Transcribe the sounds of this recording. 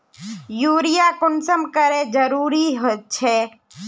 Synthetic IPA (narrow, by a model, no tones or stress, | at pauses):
juːɾijakʊnsəmkəɾed͡ʒəɾuːɾiɦot̪̚t͡ʃʰe